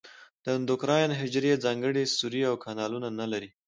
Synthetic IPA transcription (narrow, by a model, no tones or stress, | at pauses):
d̪̥ənd̪ʊkɾɑjnɦɪd͡ʒɾed͡zɑŋɡəɽest̪uɾiawkʰɑnɑlunanalaɾi